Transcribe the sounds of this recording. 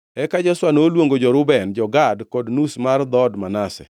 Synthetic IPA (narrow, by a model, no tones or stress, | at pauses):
ɛkad͡ʒɔswanolwoŋɡod͡ʒɔɾʊbɛnd͡ʒɔɡadkɔdnusmard̪ɔdmanasɛ̰